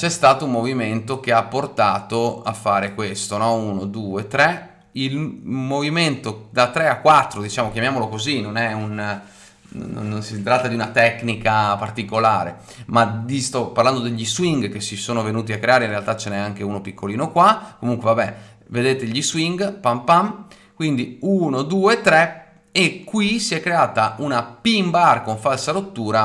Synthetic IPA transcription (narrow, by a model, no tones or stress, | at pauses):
t͡ʃɛst̪aːt̪oummoviment̪ok̟eapːort̪aːt̪oafːaːɾekwest̪onɔunod̪uːet̪ːɾe | ilmoviment̪od̪at̪ːɾeakːwat̪ːɾod̪it͡ʃaːmokjamjaːmolokozinonɛun | nːonsit̪ɾat̪ːad̪iunat̪ɛknikapart̪ikolaːɾḛ | mad̪ist̪ɔpːarland̪od̪eʎːiswiŋɡkesisoːnovenuːt̪̬iakːɾeaːɾeinrɾealt̪at͡ʃenɛaŋkeunopikːoliːnokwakomuŋkwevabɛ | ved̪eːt̪eʎːiswiŋɡpampam | kwind̪iunod̪uːeːt̪ːɾɛ | ekːwisiɛkːɾeaːt̪aʔunapimbarkoɱfalsaɾot̪ːuːɾa